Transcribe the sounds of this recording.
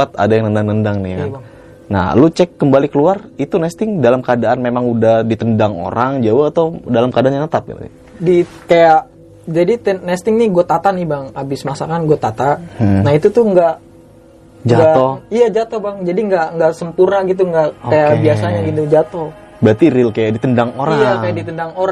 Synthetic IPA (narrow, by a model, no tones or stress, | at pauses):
at̪a̰dajaŋnəndaŋnəndaŋnḭka | na̰hlut͡ʃɛkːəmbalikəluarit̪unɛst̪ɪŋdalamkadaʔanmemaŋudahdit̪əndaŋo̰ɾaŋd͡ʒawaat̪awdalamkadaʔanɲanət̪ap̚ḭl̰ | dikajaʔ | d͡ʒadit̪ənɛst̪ɪŋnɪɡuat̪at̪anɪbaŋabɪsmasakanɡat̪at̪anahit̪ut̪ʊhŋɡaʔ | d͡ʒaɡat̪ɔijad͡ʒat̪obaŋd͡ʒadiŋɡaʔŋɡaʔsəmpurnaɡit̪̬uŋɡaʔkajabiasaɲaɡit̪ud͡ʒat̪o | bɾat̪iɾɪlkajaʔdit̪əndaŋoɾajaajadit̪əndaŋoɾ